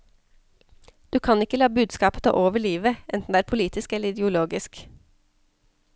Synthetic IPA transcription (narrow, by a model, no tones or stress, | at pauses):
d̪̥ʉːkʰɑnɪkəlɑːbʉːd̪skɑːpət̪ʰɑ̰ːʔoːʋəɭiːʋəɛnt̪n̩d̪eːæːɾpʰʊliːt̪ɪskɛləɾɪd̪ɛʊloːɡɪsk